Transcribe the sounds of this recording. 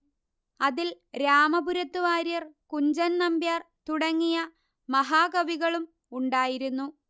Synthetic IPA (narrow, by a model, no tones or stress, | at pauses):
ɐðil | ɾaːmɐbuɾɐt̪ːuʋaːɾijɐrkuɲd͡ʑɐnnɐmbjaːrt̪uɽɐŋːijɐ | mɐɦaːɡɐʋiɣɐɭum | uɳɖaːjiɾunːu